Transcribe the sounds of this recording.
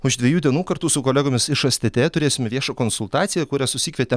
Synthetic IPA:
ʊʒd̪ʲʋʲɛjuːd̪ʲiɛnuːkɐɾt̪uːsʊkoːlʲæːɡoːmʲɪsɪʃɐsʲt̪ʲɪt̪ʲeːt̪ʊɾʲeːsʲɪmʲɛʋʲiɛʃɐkoːnsʊlˠt̪ɑːt̪sʲɪjɛkʊɾʲæsʊsʲiːkʲʋʲiɛt̪ʲɛ

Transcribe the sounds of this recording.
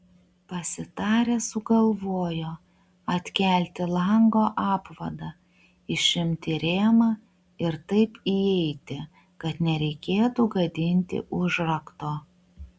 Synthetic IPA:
pɐsʲɪt̪ɑːɾʲesʊɡɐlˠʋoːjoː | ɐt̪ʲkʲæˑlʲt̪ʲɪlˠɐŋɡoːʔɑːpʋɐd̪ɐ | ɪʃʲɪmʲt̪ʲɪɾʲeːmɐ | ɪɾt̪ɐɪpiɛɪt̪ʲɪ | kɐt̪nʲɛɾʲɛɪkʲeːt̪uɡɐd̪ʲɪnʲt̪ʲɪ̰ʔʊʒɾɐkt̪oː

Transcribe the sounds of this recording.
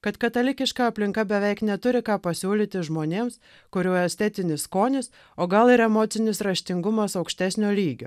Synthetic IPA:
kɐt̪kɐt̪ɐlʲɪkʲɪʃkɑɐpʲlʲɪŋkɐbʲɛʋʲɛɪknʲɛt̪ʊɾʲɪkɑːpɐsʲuːlʲiːt̪ʲɪʒmoːnʲeːms | kʊɾʲoːjɛsʲt̪ʲɛt̪ʲɪnʲɪskoːnʲɪs | oːɡɐlˠɪɾɛmoːt̪sʲɪnʲɪsɾɐʃʲt̪ʲɪŋɡʊmɐsɐʊkʃʲt̪ʲæsʲnʲoːlʲiːɡʲo̰ː

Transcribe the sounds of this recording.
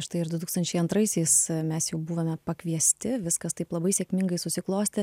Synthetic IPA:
ʃt̪ɐɪɪɾd̪ʊt̪uːkst̪ɐnʲt͡ʃʲɛɪɐnt̪ɾɐɪsʲɛɪsmʲɛsjɛʊbuːʋɐmʲɛpɐkʋʲiɛsʲt̪ʲɪʋʲɪskɐst̪ɐɪplˠɐbɐɪsʲeːkmʲɪŋɡɐɪsʊsʲɪklˠoːsʲt̪ʲɪ

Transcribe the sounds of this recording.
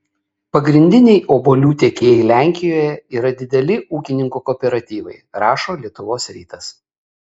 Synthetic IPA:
pɐɡɾʲɪnʲd̪ʲɪnʲɛɪʔoːbolʲuːt̪ʲeːkʲeːjɛɪlʲæˑŋʲkʲɪjoːjɛiːɾɐd̪ʲɪd̪ʲɛlʲɪʔuːkʲɪnʲɪŋkuːkɔːpʲɛɾɐt̪ʲiːʋɐ̰ɪɾɑːʃoːlʲiɛt̪ʊʋoːsɾʲiːt̪ɐs

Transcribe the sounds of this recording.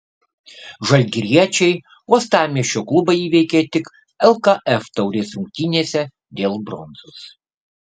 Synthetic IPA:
ʒɐlʲɡʲɪɾʲiɛt͡ʃʲɛɪ | uɔst̪ɑːmʲiɛʃʲoːklˠʊbɐɪiːʋʲɛɪkʲɛt̪ʲɪk | ɛlˠkɐʔɛft̪ɐʊɾʲeːsɾʊŋʲk̚ʲt̪ʲinʲiɛsʲɛ | d̪ʲeːlˠbɾɔnzos

